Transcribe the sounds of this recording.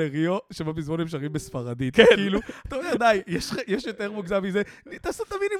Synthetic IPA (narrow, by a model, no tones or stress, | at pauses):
eʁioʃemabizmonemʃ̬aʁimbesfaʁad̪it̪kkiiluat̪aojad̪ajjɛʃjɛʃjo̞t̪eʁmuɡzamizet̪aːset̪amid̪i